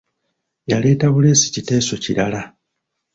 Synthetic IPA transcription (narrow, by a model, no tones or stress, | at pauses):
jale̞ːtaβule̞ːsi̥cite̞ːso̞ciɾala